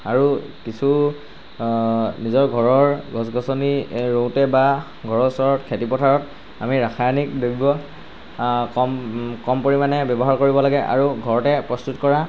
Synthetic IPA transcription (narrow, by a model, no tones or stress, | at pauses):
aɹukisʰu | nizɔɹɡʱɔɹɔɹɡɔsɡʱɔsɔniɹowtɛba | ɡʱɔɹɔsɔɹɔtkʰetipɔtʰaɹɔt | a̰miɹakʰajanik̚deɡibɔ | kɔmkɔmpoɹimanɛbɛbɔɦaɹkoɹibɔlaɡɛʔa̰ɹuɡʱɔɹɔtɛpɹɔstutkɔɹa